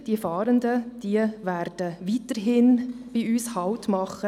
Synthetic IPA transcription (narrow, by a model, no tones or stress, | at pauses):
d̥iəfɑːɾəndəd̥iəvæɾd̥əʋiːtəɾɦɪnb̥iyːshɑʊtmɑχə